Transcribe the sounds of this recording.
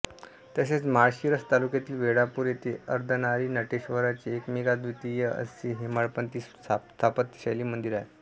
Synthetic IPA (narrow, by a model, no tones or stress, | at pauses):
t̪jaɕet͡smaɭɕiɾəst̪alukjat̪iːlʋeɽapuːɾjet̪ʰeəɾd̪ʱənaɾiːnəʈeɕʋəɾat͡ɕeekmiɡad̪ʋit̪ijəə̰siɦemaɭpənt̪iːs | t̪ʰapət̪ːɕajliːmənd̪iɾaje